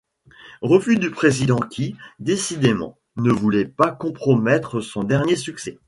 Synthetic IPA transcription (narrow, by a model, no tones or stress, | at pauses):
ʁəfyd̪ypχezid̪ɑ̃kʲid̪esid̪emɑ̰̃ | nəvulɛpakɔ̃pχɔmɛt̪χəsɔ̃d̪ɛʁnjesyksɛ